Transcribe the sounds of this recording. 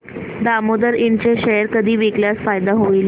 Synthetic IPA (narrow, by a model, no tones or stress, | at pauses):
d̪amod̪əɾiɳt͡ɕeɕəəɾkəd̪ʱiːʋikljasfajd̪aɦoil